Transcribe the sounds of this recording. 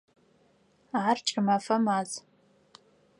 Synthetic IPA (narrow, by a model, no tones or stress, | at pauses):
ʕart͡ʃʼamafamaz